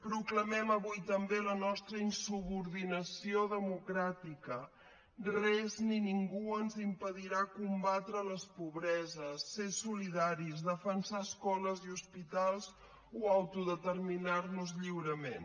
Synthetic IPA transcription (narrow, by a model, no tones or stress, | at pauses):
pɾukləmɛməβujt̪əmbelənɔst̪ɾəinsuβuɾðinəsioðəmukɾat̪ikə | rɛzniniŋɡuənzimpəðiɾakumbat̪ɾələspuβɾɛzəsːesuliðaɾizðəfənsaəskɔləziuspit̪alˠz | uəwt̪uðət̪ərminarnuzʎiwɾəmen